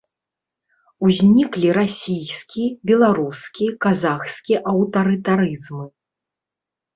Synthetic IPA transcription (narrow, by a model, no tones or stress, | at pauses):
uzʲnʲiklʲiɾasʲijskʲibʲɛlˠaɾuskʲikazaxskʲiʔɐwt̪ɐɾɨt̪aɾɨzmɨ